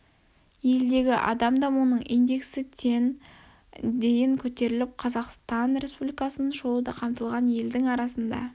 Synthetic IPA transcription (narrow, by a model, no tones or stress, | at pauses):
je̞ld̪e̞ɡʲɪʔɑ̰d̪ɑmd̪ɑmunəɴijnd̪e̞ksɪt̪ʰe̞n | d̪e̞jɪŋkʲʰɵt̪e̞ɾɪlɪp̚qʰɑzɑqst̪ɑnɾe̞spublijkɑsənəʒo̞lˠəd̪ɑqʰɑmt̪əlˠʁɑnje̞ld̪ɪŋɑɾɑsənd̪ɑ̰